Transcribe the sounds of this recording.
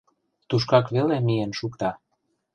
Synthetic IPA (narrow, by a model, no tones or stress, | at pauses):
t̪uʃ̬kɑkβelemijenʃukt̪ɑ